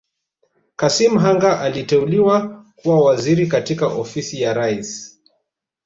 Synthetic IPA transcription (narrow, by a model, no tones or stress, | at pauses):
kasim̩ɦaŋɡaʔalitɛuliwakuwawaziɾik̬atikaʔɔfisijaɾais